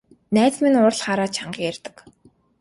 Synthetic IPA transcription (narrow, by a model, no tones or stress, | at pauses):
næːt͡sminʊr̆ɮχaːɾaːt͡ɕʰaɴɢiːær̥ʲt̪ə̆k